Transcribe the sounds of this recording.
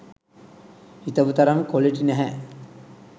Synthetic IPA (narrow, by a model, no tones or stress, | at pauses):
it̪əʋut̪ɐɾaŋkoleʈinæɦæ